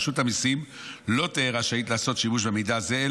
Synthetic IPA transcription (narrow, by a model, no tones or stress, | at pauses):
ʃut̪amisim | lo̞t̪eːʁaʃait̪laːso̞t̪ʃimuʃ̬bemidaze̞e